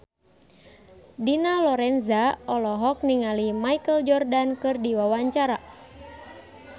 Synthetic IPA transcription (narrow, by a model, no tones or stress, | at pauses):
dinalɔɾɛnzaɔlɔɦɔk̚niŋalimaikəld͡ʒɔrdankɨrdiwawaɲt͡ʃaɾa